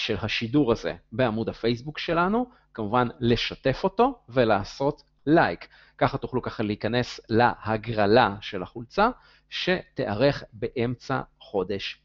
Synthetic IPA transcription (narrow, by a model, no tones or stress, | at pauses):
ʃe̞lɦaʃiduʁaze̞̰beamudhafe̞js̬bukʃe̞lanu | kamuvanle̞ʃate̞fo̞to̞ve̞laːso̞t | lajkː | aχat̪uχlukaχaleikane̞slahaɡʁalaʃe̞lhaχult͡sa | ʃe̞t̪eʔaʁe̞χbe̞ʔe̞mt͡sa̰χo̞de̞ʃ